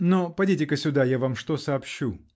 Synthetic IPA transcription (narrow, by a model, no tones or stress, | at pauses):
nopɐdʲitʲɪkəsʲʊd̪ajavamʂt̪osɐːpɕːu